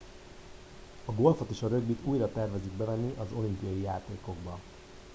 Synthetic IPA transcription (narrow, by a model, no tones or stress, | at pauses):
ɒɡo̞lfo̞t̪eːʃɒɾø̞ɡbit̪uːjrɒt̪ɛrvɛziɡ̚bɛvɛnːiʔɒzo̞limpijɒjijaːt̪eːko̞ɡbɒ